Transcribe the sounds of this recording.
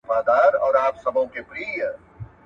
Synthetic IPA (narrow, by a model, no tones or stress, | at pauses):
faːd̪aːɾɔːɾaːpsɐbʱõkepɾiːjə